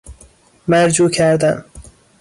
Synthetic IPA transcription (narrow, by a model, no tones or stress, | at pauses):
mæɾd͡ʒuːkʰæɾd̪æm